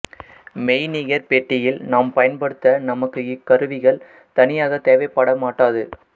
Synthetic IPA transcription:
mɛɪniːɣɐɾpeːʈːɪjɪlnaːmpɐjɐnpɐɽɯt̪ːɐnɐmɐkːɯɪkːɐɾɯʋɪɣɐɭ | t̪ɐnɪjaːɣɐt̪eːʋɐɪpːaːɽɐmaːʈːaːðɯ

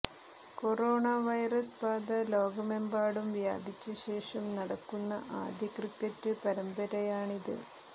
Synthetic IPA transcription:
koroːɳaʋɐjrɐspaːd̪ɐlo̞ːɡɐmembaːɽumʋja̰ːbʱit͡ɕːɐɕe̞ːʂɐmnɐɽɐkːunːɐ̰ʔaːd̪ʱjɐkrikɐtːɨpɐɾɐmbɐɾɐjaːɳiðɨ̰

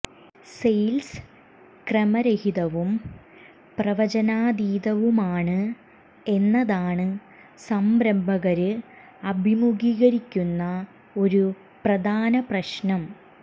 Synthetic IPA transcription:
sejls | krɐmɐɾɐhiðɐʋum | prɐʋɐd͡ʑɐnaːd̪iːðɐʋumaːɳɨ | e̞nːɐðaːɳɨ | sɐmbɾɐmbʱɐɣɐɾɨ | ɐbʱimuɡiːɣɐɾikʲːunːɐ | o̞ɾu | prɐd̪ʱaːnɐprɐɕnɐm

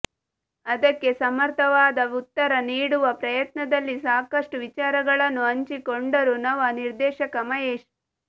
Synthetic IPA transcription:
ɐd̪ɐkːe̞sɐmɐɾt̪ʰɐʋaːd̪ɐut̪ːɐɾɐniːɽuʋɐpɾɐjɐt̪̚nɐd̪ɐlːisaːkɐʂʈuʋit͡ʃaːɾɐɡɐɭɐnːuɐɲt͡ʃikoɳɖɐɾunɐʋɐniɾd̪ɛːʃɐkɐmɐjeːʃ

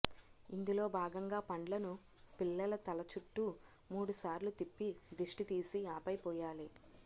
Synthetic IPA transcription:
ind̪ulo̞ːbʱaːɡɐŋɡaːpɐɳɖlɐnu | pilːɐlɐt̪ɐlɐt͡ʃuʈːu | muːɽusaːɾlut̪ipːid̪iʂʈit̪iːsiaːpɐjpɔːjaːli

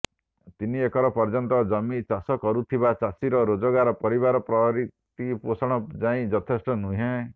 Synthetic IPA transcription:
t̪iniekʰɔɾɔpɔɾd͡ʒɔnt̪ɔd͡ʒɔmit͡ʃasɔkɔɾut̪ʰibat͡ʃasiɾɔɾod͡ʒɔɡaɾɔpɔɾiβaɾɔpɾɔɾit̪iposɔɽ̃ɔd͡ʒaĩd͡ʒɔt̪ʰesʈɔnuɦẽ

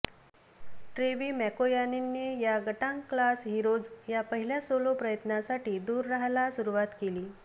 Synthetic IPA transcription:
ʈɾeʋiːmɛkojanenːejaɡəʈãŋklasɦiɾod͡zjapəɦiljasolopɾəjət̪nasaʈiːd̪uːɾːaɦlasuɾuʋat̪keliː

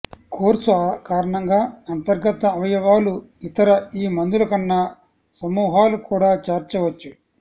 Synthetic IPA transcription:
koːɾsukaːɾɐɳɐŋɡaːɐnt̪ɐɾɡɐt̪ɐːʋɐjɐʋaːluit̪ɐɾɐiːmɐnd̪ulɐkɐnːɐ | sɐmuːɦaːlukuːɽaːt͡ʃaːɾt͡ʃɐʋɐt͡ʃːu

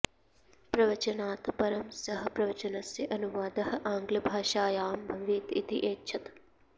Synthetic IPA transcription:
pɾɐʋɐt͡ʃɐnaːt̪pɐɾɐmsɐɦɐ̆pɾɐʋɐt͡ʃɐnɐsjɐʔɐnuʋaːd̪ɐɦɐ̆ʔaːŋɡlɐbʱaːʃaːjaːmbʱɐʋiːt̪it̪ḭʔeːtːʃʰɐt̪

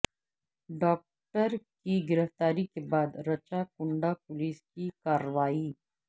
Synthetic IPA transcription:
ɖɔːk̚ʈəɾkiɡɪɾəft̪aːɾikebaːd̪ɾɐt͡ʃakʊ̃ɳɖapʊliːskikaːɾəʋaːiː

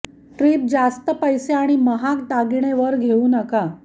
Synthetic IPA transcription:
ʈɾiːp̚d͡zast̪əpəjseaɽ̃iməɦak̚d̪aɡiɽ̃eʋəɾɡʱeuːnəka

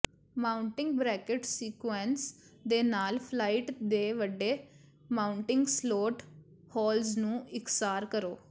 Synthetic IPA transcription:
maːʊɳʈɪ̃ŋɡbɾɛːkəʈsiːkwɛnsd̪eːnaːlpʰlaːɪʈd̪eːʋəɖeː | maːʊɳʈɪŋɡsloːʈ | hɔːlznũːɪksaːɾkəɾoː

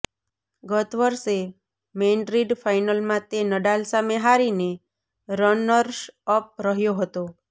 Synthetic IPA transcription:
ɡət̪ʋəɾse | menɖɾiɖfajnəlmãt̪enəɖalsameɦaɾine | ɾənəɾʃəp̚ɾəɦjoɦət̪o

